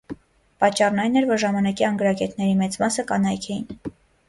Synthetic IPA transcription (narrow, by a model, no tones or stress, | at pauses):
pɑt͡ʃːɑrnɑjnɛɾvɔɾʒɑmɑnɑkiɑŋɡəɾɑkɛt̪nɛɾimɛt͡smɑsəkɑnɑjkʰɛjin